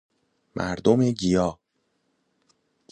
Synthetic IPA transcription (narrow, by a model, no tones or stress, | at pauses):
mʔæ̰ɾd̪omeɟijɒː